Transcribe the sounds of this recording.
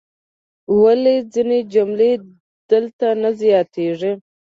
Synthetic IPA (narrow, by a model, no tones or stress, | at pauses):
waled͡zined͡ʒʊmle | d̪̥əlt̪anazjɑt̪eʐi